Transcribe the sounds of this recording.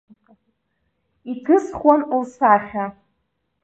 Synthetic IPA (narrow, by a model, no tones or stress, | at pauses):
ikʰɨsχwanulsaχʲa